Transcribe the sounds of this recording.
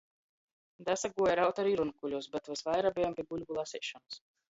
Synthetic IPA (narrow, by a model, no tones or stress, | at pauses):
d̪æsaɡuɔjɾawt̪aɾiɾunkulʲuɔsbɛt̪vasvajɾabʲɛjampʲiɛɡulʲbulˠasʲɛʃɔnus